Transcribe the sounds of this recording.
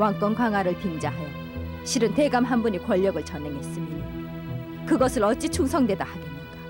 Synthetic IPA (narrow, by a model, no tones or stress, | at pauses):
waŋk͈ʌnkaŋaɾɯɭpind͡ʑaɦajʌ | ɕʰiɾɯnte̞ɡamɦambuɲikwʌʎːʌɡɯɭt͡ɕʰʌneŋɦes͈ɯmɲida | kɯɡʌsʰɯɭʌt͡ɕ͈it͡ɕʰuŋsʰʌŋdwe̞dahadʌi